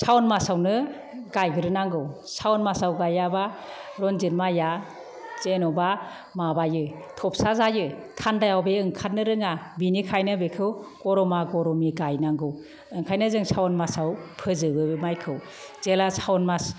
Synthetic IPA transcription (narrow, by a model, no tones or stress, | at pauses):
sʰawɔnmasawnɯ | ɡajɡɯɾɯnaŋɡɯwsawɔnmasawɡajaba | ɾɔnzinmaja | zenɔba | mabajɯ | tʰɔp̚sazajɯtʰandajawbeɯŋkʰat̚nɯɾɯŋabinikʰajnɯbekʰɯwkɔɾɔmaɡɔɾɔmiɡajnaŋɡɯw | ɯŋkʰajnɯzɯŋsʰawɔnmasawpʰɯzɯɡɯmajkʰɯw | z̥elasʰawɔnmas